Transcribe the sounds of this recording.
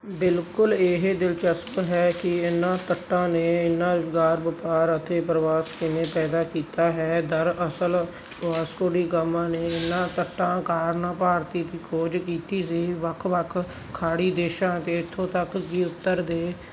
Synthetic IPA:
bɪlkʊleːɦed̪ɪlt͡ʃəspɦɛːkɪɪnːãːt̪əʈːãːneːɪnːãːɾʊzɡaːɾbəpaːɾət̪ʰeːpɾəʋaːskɪnẽːpɛːd̪aːkiːt̪aːɦɛːd̪əɾəsəl | ʋaːskoːɽiːkamãːneːɪnːãːt̪əʈːãːkaːɾnãːpaːɾt̪iːt̪iːkʰoːd͡ʒkiːt̪iːs̬iːʋəkʰʋəkʰː | aːɽiːd̪eːʃãːt̪eːɪt̪ʰːõːt̪əkkiːʊt̪ːəɾd̪eː

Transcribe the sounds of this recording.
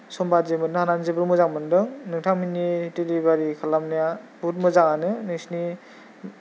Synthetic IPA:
sɔmbazemɯtnɯhananzebɯɾmɯzaŋmɯndɯŋnɯŋtʰaŋminitelibaɾikʰalamniabutmɯzaŋanɯnɯsni

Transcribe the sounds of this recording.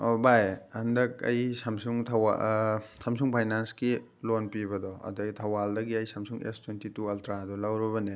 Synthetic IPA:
bajɐndɐk̚ɐ̰jsɐmsuŋtʰɐwasɐmsuŋpʰajnanski | lonpiβɐdɔɐ̰dɐɡitʰɐwaldɐɡiɐjsɐmsuŋḛstwentituɐltʰɾadulɐwɾiβɐne

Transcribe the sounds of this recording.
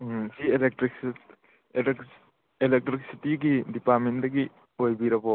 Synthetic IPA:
sielek̚tɾiks | k | elek̚tɾik̚sitiɡidipaɾmendɐɡi | ojbiɾɐbo

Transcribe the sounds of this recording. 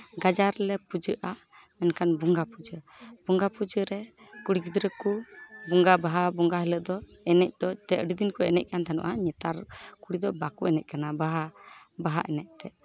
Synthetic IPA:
ɡad͡ʒaɾlɛpud͡ʒəʔa | mɛnkanbuŋɡapud͡ʒə | bɔŋɡapud͡ʒəɾɛ | kuɽiɡid̪ɾəkubɔŋɡabaɦabɔŋɡaɦɛləd̪ɔɛnɛc̚d̪̥ɔt̪ɛʔɖid̪inkuɛnɛc̚ˀkant̪ʰanɔ̰ʔaɲɛt̪aɾkuɽid̪ɔbakuɛnɛc̚kanabaɦabaɦaʔɛnɛʔ̚t̪ɛʔ

